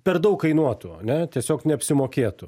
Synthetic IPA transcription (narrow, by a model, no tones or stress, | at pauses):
pʲɛrd̪ɐʊkkɐɪnuɔt̪ʊɐ̰nʲɛt̪ʲiɛsʲoːknʲɛɐpʲsʲɪmoːkʲeːt̪ʊ